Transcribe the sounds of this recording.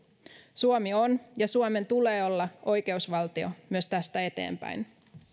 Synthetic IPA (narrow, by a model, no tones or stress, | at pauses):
suomio̞njɑsuome̞nt̪ule̞ːo̞lːɑʔo̞jke̞usʋɑlt̪io̞̰myøst̪æst̪æe̞t̪e̞̰ːmpæ̰jn